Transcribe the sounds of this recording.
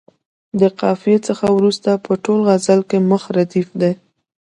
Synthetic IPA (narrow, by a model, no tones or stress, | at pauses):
d̪əqɑfijet͡səxawɾust̪apəʈolɣazalkeməxɾad̪ifd̪e